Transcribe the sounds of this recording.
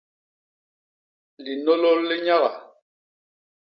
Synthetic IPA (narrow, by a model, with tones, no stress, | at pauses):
li˨nɔ˦lɔ˦lːi˦ɲa˦ɣa˨